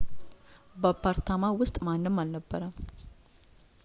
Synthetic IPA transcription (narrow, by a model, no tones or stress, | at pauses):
bəpʰːaɾt̪ʰamawʊst̪ʼmanːɨmːalnəbːəɾəm